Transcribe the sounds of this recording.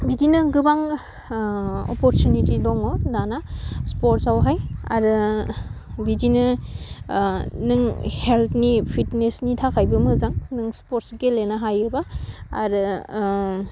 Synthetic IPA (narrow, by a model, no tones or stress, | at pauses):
bidinɯɡɯbaŋ | ɔ̰pɔɾtjunitidɔŋɔnanaspoɾtsawɦaja̰ɾɯ | bidinɯ | nɯŋheltʰnipʰitnesnitʰakʰajbɯmɯzaŋnɯŋspoɾtsɡelenaɦajɯbaa̰ɾɯ